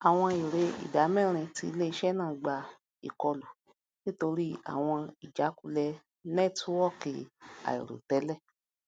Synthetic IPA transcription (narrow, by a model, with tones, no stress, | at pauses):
a˨w̃ɔ̃˧i˨ɾe˨˦ḭ˨da˨˦mɛ̃˦˨ɾ̃ĩ˧ti˧˦le˦i˧˦ʃɛ˦˨nãː˦˨˦ɡ͡ba˧ | ḭ˨kɔ˧lu˨ | nĩ˦to˧ɾi˦a̰˨w̃ɔ̃˧i˨d͡ʒa˨˦ku˧lɛ˧ | nɛ˦˨tu˦wɔ˦˨ki˨a̰˨ḭ˨ɾo̰˨tɛ˨˦lɛ˦˨